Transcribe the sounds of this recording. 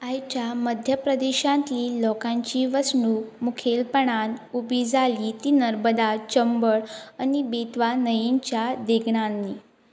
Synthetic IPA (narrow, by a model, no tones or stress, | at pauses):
ajt͡ɕjaməd̪ʱjəpɾəd̪eɕãnt̪liːlɔkãɲt͡ɕiːʋəsnuːmukʰelpəɳ̃anubiːd͡zʱaliːt̪iːnəɾbəd̪at͡ɕəmbəɭanibet̪ʋanəjiɲt͡ɕjad̪eɡɳanːi